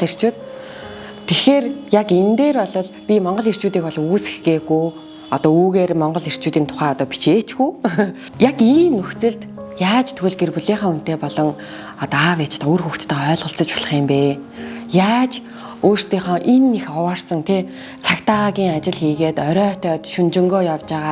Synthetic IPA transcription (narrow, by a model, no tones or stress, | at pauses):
er̥t͡ɕuːt̪ | t̪ʰːexeːrjakent̪eːrɔɮɞ̆ɮpʲimɔɴɢɞ̆ɮir̥t͡ɕuːt̪iːkpɔɮɞ̆ŋuːse̥xɡeːɣuj | ɔt̪ɔːuːɣeːrmɔɴɢɞ̆ɮir̥t͡ɕuːt̪iːnt̪ʰʊ̥χæːɔt̪ɔːpi̥t͡ɕeːt͡ɕɡuː | jakiːmːɵxt͡sɘ̆ɮt̪jaːt͡ɕt̪ʰɵɣɘ̆ɮɡerpuɮeːχɔːun̥t̪eːpɔɮɞ̆ŋ | ɔt̪ɔawet͡ɕ̆t̪ʊrxuxt͡st̪ə̆œːɮʁə̆ɬt͡sə̆t͡ɕpɔɮ̆χiːmpeː | jaːt͡ɕ | oːr̥st̪iːχɔːʔenːexɔwaːrsə̆ŋt̪ʰe | t͡sʰakt̪aɣʲiːŋat͡ɕɪ̆ɮxiːɣeːt̪œɾœːt̪ʰœːt̪ʃɵnt͡ɕɪ̆ŋɡoːjawt͡ɕaːʁaː